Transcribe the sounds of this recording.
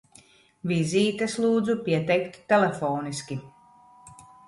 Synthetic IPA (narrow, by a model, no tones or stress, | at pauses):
viziːt̪ɛslˠuːd̪zupiɛt̪ɛjkt̪ːɛlefɔːniskʲi